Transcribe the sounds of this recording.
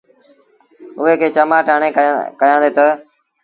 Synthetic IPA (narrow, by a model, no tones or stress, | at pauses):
ʊɦeːkʰeːt͡ʃəmaːʈaːɳẽːkəjãːnd̪eːt̪ə